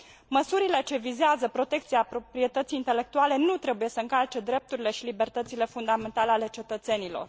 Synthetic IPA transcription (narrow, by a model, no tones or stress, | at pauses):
məsuɾile̞t͡ʃe̞vizeazəpɾo̞t̪e̞kt̪siapɾo̞pɾije̞t̪ət̪sijint̪e̞le̞k̚t̪uale̞nut̪ɾe̞buje̞səɨŋkalt͡ʃe̞d̪ɾe̞p̚t̪uɾile̞ʃilibe̞rt̪ət̪sile̞fund̪ame̞nt̪ale̞ale̞t͡ʃe̞t̪ət̪se̞nilo̞̰r